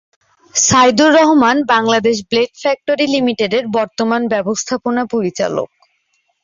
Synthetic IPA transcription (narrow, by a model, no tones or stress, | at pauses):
sajd̪uɾːɔɦomanbaŋlad̪eʃ̬bleʈfɛk̚ʈoɾilimiʈeɖeɾbɔɾt̪omanbɛbost̪ʰaponapoɾit͡ɕa̰lo̰k̚